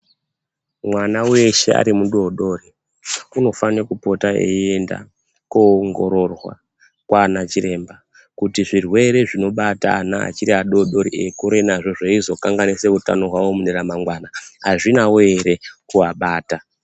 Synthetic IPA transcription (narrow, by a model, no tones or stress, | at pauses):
mwanawe̞ʃe̞a̰ɾimuɗoɗo̞ri | uno̞fanekupo̞taḛienda̰ | koŋɡo̞̰ɾo̞rwa̰ | kwaːnat͡ʃiɾe̞mba | kutiʐirwe̞ɾe̞ʐino̞ɓataːnaa̰t͡ʃiɾiaɗoɗo̞ɾḭekuɾe̞naʐo̞ʐaizo̞kaŋɡanise̞uta̰no̞ɦwawo̞muneɾamaŋɡwanaɦaʐinawoeɾe̞kuaɓaːta